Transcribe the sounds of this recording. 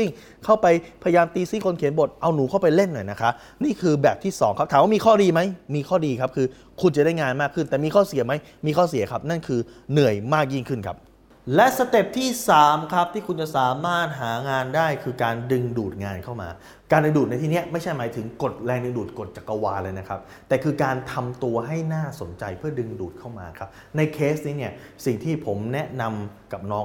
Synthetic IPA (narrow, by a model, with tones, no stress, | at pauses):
si˥˩ŋ | kʰa˥˩wpa˧jpʰa˧ja˧jaː˧mt̪iː˧siː˥˩kʰo˧nkʰe˩˦nbo˨˩t̪̚ʔa˧wnuː˩˦kʰa˥˩wpa˧jle˥˩nːu˨˩jna˦˥kʰa˦˥ʔ | niː˥˩kʰɯː˧bɛː˨˩p̚t̪ʰiː˥˩sɔ̰ː˨˩˦ŋkʰa˦˥p̚tʰaː˨˦waː˥˩miː˧kʰɔː˥˩diː˧ma˦˥jmiː˧kʰɔː˥˩diː˧kʰa˦˥p̚kʰɯː˧ | kʰu˧nt͡ɕa˨˩daː˥˩jŋaː˧nmaː˥˩kʰːɯ˥˩nt̪ɛː˨˩miː˧kʰɔː˥˩si˨˩˦ɐma˦˥j | miː˧kʰɔː˥˩si˨˩˦ɐkʰa˦˥p̚na˥˩nkʰɯː˧nɯ˨˩əjmaː˥˩k̚ji˥˩ŋkʰɯ˥˩nkʰa̰˦˥p̚ | lɛ˦˥sa˧t̪e˨˩p̚t̪ʰiː˥˩saː˩˦mkʰɾa˦˥p̚t̪ʰiː˥˩kʰu˧nt͡ɕa˨˩saː˩˦maː˥˩t̪̚ɦaː˩˦ŋaː˧ndaː˥˩jkʰɯː˧kaː˧ndɯ˧ŋduː˨˩t̪̚ŋaː˧nkʰa˥˩wma̰ː˧ | kaː˧ndɯ˧ŋduː˨˩na˧jt̪ʰiː˧˩n˦˥ɐma˥˩jt͡ɕʰa˥˩jmaː˩˦jt̪ʰɯ˩˦ŋko˨˩t̪̚lɛː˧ŋdɯ˧ŋduː˨˩t̪̚ko˨˩t̪̚t͡ɕa˨˩kːa˧waː˧lɤː˧jna˦˥kʰa˦˥p̚ | t̪ɛː˨˩kʰɯː˧kaː˧nt̪ʰa˧mt̪u˧ɐɦa˥˩jnaː˥˩so˩˦nt͡ɕa˧jpʰɯ˥˩ɐdɯ˧ŋduː˨˩t̪̚kʰa˥˩wma̰ː˧kʰa˦˥p̚ | na˧jkʰeː˦˥st̪niː˦˥ni˥˩ɐsi˨˩ŋt̪ʰiː˥˩pʰo˩˦mnɛ˦˥na˧mka˨˩p̚nɔː˦˥